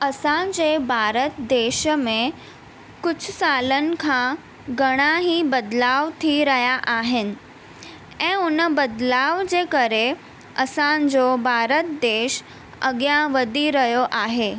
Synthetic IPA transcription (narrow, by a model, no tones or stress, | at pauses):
əsãd͡ʑebʱaːɾət̪d̪eːʃmẽ | kʊt͡ɕʰsaːlənɪ̆kʰã | ɡəɽ̃aɦibəd̪laːʋt̪ʰiɾəɦjaʔaːɦɪnɪ̆ | ɛ̃ːʊnəbəd̪laːʋd͡ʑekəɾe | əsãd͡ʑobʱaːɾət̪̚d̪eːʃ | ə̰ɡjãʋəd̪ʱiɾəɦjoʔaːɦeː